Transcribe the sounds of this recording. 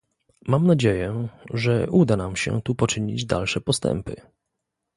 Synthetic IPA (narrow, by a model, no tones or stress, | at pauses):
mamnad͡ʑejɛʐɛʔud̪anamɕɛ̰t̪upɔt͡ʂɘɲid͡ʑd̪a̰lʂɛpɔst̪ɛ̰mpɘ̰